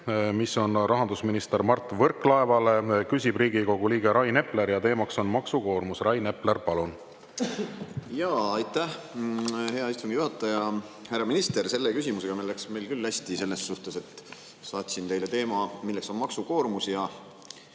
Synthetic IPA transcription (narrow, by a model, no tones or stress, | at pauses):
misːonrɑɦɑnd̪usminist̪eɾmɑrt̪ːˑvɤrklɑevɑle̞kysʲib̥riːɡ̥iko̞ɡ̥uliːɡeɾɑjne̞ple̞ɾjɑt̪e̞ːmɑkso̞nmɑksuko̞ːrmusrɑjne̞plerpɑlun | jɑːɑjt̪ːæh | he̞ɑist̪umijuhɑt̪ːˑɑjɑ | hærːɑminist̪e̞rse̞lːekysʲimuse̞ɡ̥ɑmelːæksme̞jlkylːæsʲt̪ise̞lːe̞sːuht̪ese̞t̪ | sɑːt̪ʲsint̪e̞jle̞t̪e̞ːmɑmilːekso̞nmɑksuko̞ːrmusjɑ